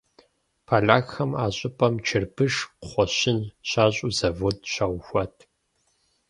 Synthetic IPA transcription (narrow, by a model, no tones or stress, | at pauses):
pʰaːɮaːxxɐmaːɕʼɪpʰʼɐmt͡ʃʰɪrbɨʂχʷɔɕɪnɕaːɕʼuzɐvodʰɕawxʷɐtʰ